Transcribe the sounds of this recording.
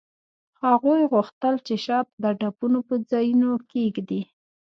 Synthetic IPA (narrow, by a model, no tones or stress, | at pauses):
haɣujɣuxt̪əlt͡ʃeʃɑp̪̚d̪əɖapunopəd͡zɑjunokeɡd̪i